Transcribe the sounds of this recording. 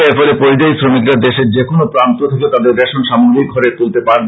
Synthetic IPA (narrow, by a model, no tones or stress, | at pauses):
eɾfɔlepoɾid͡ʑajsɾomikɾaɾd̪eʃeɾd͡ʑekonopɾant̪ot̪ʰaket̪ad̪eɾbɛʃonʃamoɡɾik̚ɡʱɔɾet̪ult̪epaɾb